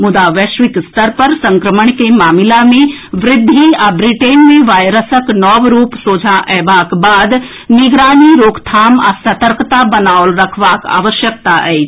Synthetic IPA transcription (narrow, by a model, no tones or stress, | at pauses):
mʊd̪aːʋəʃʋɪk̪st̪əɾpɐɾsɐ̃ŋkɾəməɳ̃kemaːmɪlamẽʋɾɪd̪ʱːiabɾɪʈeːnmẽʋaːjɾəsəknɔːʋɾuːpsoːd͡ʒʱaʔɛʋaːkbaːd̪ | nɪɡɾaːniɾoːkt̪ʰaːma̰sɐt̪əɾkt̪abɐnaːʊlɾɐkʰʋaːka̰ːʋəʃjək̚t̪aɛi